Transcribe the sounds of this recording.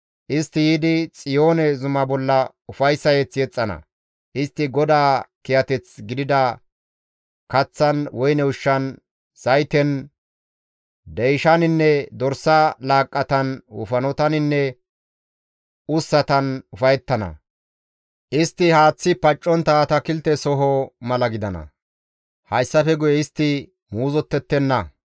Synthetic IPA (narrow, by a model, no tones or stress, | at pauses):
ʔɪst̪ːɪjiːd̪ɪt͡sʼɪjo̞ːnɛzʊmɐbɔlːɐ | ʊfɐjsːɐjɛt͡sːjɛt͡sʼːɐnɐ̰ | ʔɪst̪ːɪɡɔd̪aːkɪjɐt̪ɛt͡sɡɪd̪ɪd̪ɐ | kɐt͡sːɐnwɔjnɛʊʃːɐn | sɐjt̪ɛn | d̪ɛjʃɐnɪnːɛd̪ɔɾsɐlaːkʼːɐt̪ɐnʊ̰fɐnɔt̪ɐnɪnːɛ | ʊsːɐt̪ɐnʊfɐjɛt̪ːɐnɐ̰ | ʔɪst̪ːɪhaːt͡sːɪpɐt͡ʃʼːɔnt̪ɐt̪ɐkɪlt̪ɛsɔɦɔmɐlɐɡɪd̪ɐnɐ̰ | hɐjsːɐfɛɡʊjɛɪst̪ːɪ | muːzɔt̪ːɛt̪ːɛnːɐ